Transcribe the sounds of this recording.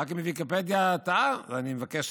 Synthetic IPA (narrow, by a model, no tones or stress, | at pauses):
ak̬mevikipɛd̪jat̪aanimvakɛʃ